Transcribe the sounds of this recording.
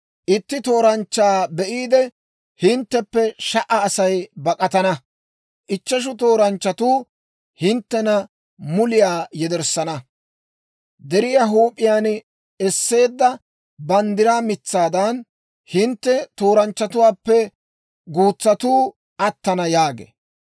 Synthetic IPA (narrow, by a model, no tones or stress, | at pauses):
ʔɪt̪ːɪt̪o̞ːɾɐnt͡ʃːaːbɛʔiːd̪ɛ | hɪnt̪ːɛpːɛʃɐʔɐːsɐjbɐkʼɐt̪ɐnɐ | ʔɪt͡ʃːɐʃ̬ʊt̪o̞ːɾɐnt͡ʃːɐt̪uː | hɪnt̪ːɛnɐ | mʊlɪjaːjɛd̪ɛɾsːɐnɐ | d̪ɛɾɪjaɦuːpʼːɪjaːn | ɛsːe̞ːd̪ːɐ | bɐnd̪ɪɾaːmɪt͡sːaːd̪ɐn | hɪnt̪ːɛt̪o̞ːɾɐnt͡ʃːɐt̪ʊwaːpːɛ | ɡuːt͡sːɐt̪uː | ʔɐt̪ːɐnɐjaːɡḛː